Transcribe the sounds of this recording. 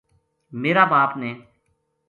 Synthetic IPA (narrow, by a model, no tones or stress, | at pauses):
meːɾaːbaːpneː